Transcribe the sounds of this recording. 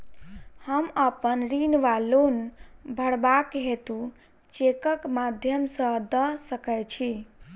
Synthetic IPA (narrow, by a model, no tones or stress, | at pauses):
həməpənɾinʋalonbʱəɽbakɦet̪ũ | t͡ʃekəkmad̪ʱjəmsə̃d̪əsəkɛt͡ʃʰi